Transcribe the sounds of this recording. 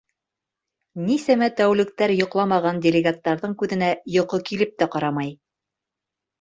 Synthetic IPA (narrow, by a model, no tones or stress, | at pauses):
nisæmæt̪æwlɘ̆k̚t̪æɾjŏqlˠɑmɑʁɑndʲelʲɪɡat̪ːɑɾðɤɴkʉðɘ̆næjŏqɤkilɘp̚t̪æqɑɾɑmɑj